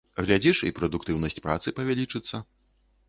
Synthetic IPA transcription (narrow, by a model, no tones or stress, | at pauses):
ɣlʲad͡zʲiʂipɾɐd̪ukt̪ɨwnɐsʲt͡sʲpɾa̰t̪sɨpɐvʲalʲit͡ʂɨt̪sːɐ